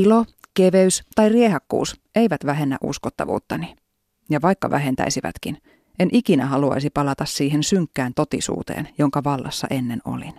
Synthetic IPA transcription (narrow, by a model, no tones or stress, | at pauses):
ilokeʋeyst̪ɑjriehɑkːṵːsʔeiʋæt̪ʋæɦe̞nːæ̰ʔṵskot̪ːɑ̰ʋṵːt̪ːɑni | jɑʋɑjkːɑʋæ̰ɦe̞nt̪æ̰isiʋæ̰t̪kin | enʔikinæɦɑluɑ̰jsipɑlɑt̪ɑssiːɦensyŋkːæːnt̪ot̪ḭsṵːt̪ḛːnjo̞ŋkɑʋɑlːɑ̰sːɑ̰ʔe̞nːeno̞̰lin